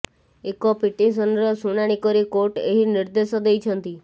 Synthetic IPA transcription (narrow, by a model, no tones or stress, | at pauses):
ekɔpiʈis̬ənɾɔsunaɽ̃ikəɾikoʈeɦinɪɾd̪esɔd̪ejt͡ʃʰənt̪i